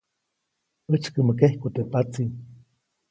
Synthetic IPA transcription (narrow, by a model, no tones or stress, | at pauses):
ət͡ʃkəməkehkot̪epat͡si